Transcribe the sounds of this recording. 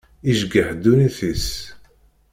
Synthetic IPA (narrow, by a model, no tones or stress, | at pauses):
iʒɡəħd̪uniθis